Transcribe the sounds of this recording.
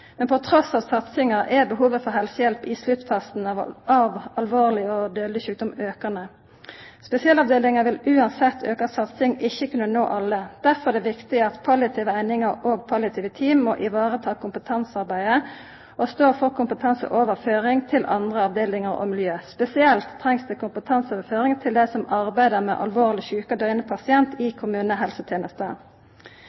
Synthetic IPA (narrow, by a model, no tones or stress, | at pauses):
mɛnpʰɔt̪ʰɾɔsɑːʋsɑt̪sɪŋɑʔɛbəɦuːʋəfɔʁɦɛlsəjɛlpɪslʉt̪fɑst̪n̩ɑʋɑlʋoːʁlɪɔd̪øːd̪lɪçʉːk̚d̪ɔmøːkɑnə | spɛsɪɑːlɑʋd̪eːlɪŋɑʋɪlʉːɑnsɛt̪ʰːøːkɑsɑt̪sɪŋɪçːəkʉnːəno̰ːʔɑlːəd̪̥æʁfɔɛd̪ɛːʋɪkt̪ɪɑt̪pʰɑlɪt̪ʰiːʋəæɪnɪŋəʁoːɡ̚pʰɑlɑt̪ʰiːʋət̪ʰiːmːɔ̰ʔɪʋɑːʁət̪ʰɑːkʰʊmpət̪ʰɑnsɑʁbæɪd̪ə | ɔst̪oːfɔʁkʰʊmpət̪ʰɑnsə̰ʔoːʋəʁføːʁɪŋt̪ʰɪlʔɑ̰nd̪ʁəɑʋd̪eːlɪŋəʁɔ̰mɪljøːspɛsɪɛlt̪ʰːʁɛŋsd̪ʉːkʰʊmpət̪ʰɑnsoːʋəføːʁɪŋt̪ʰɪld̪ɛsɔmɑʁbæɪd̪əʁmɛ̰ːʔɑ̰lʋoːʁlɪçʉːkɑd̪œʏnəpʰɑsɪɛnt̪ʰɪkʰʊmʉːnəɦɛlsət̪ʰjeːnəst̪ə̰